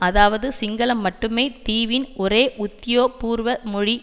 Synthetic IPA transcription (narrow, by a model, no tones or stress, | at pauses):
ɐðaːʋɐðɯsɪŋɡɐlɐmːɐʈːɯmeːt̪iːʋɪnʔɔɾeːʔʊt̪ːɪjoːpuːɾʋɐmɔɻi